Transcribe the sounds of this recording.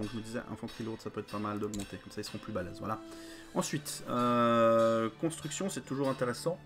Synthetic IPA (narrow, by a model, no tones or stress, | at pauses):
ɔ̃kʒəməd̪izɛ̰ʔɛ̰̃fɑ̃t̪χilot̪sapøɛt̪χpamald̪ɔɡmɑ̃t̪ekɔmsailsə̥ʁɔ̃plybalɛ̰zvwa̰a | ɑ̃sɥit̪ø | kɔ̃st̪χyksjɔ̃sɛt̪uʒuʁɛ̃t̪eʁɛsɑ̃